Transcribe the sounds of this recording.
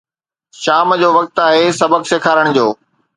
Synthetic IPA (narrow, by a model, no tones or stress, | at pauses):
ʃaːmd͡ʑoːʋɐk̚t̪aːɦesɐbəkseːkʰaːɾəɽ̃d͡ʑoː